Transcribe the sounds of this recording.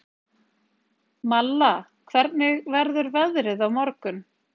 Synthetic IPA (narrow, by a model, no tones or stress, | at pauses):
malːa | kʰvɛɾt̪̚nɪɣvɛɾðʏɾvɛðɾɪðawmɔɾkʏn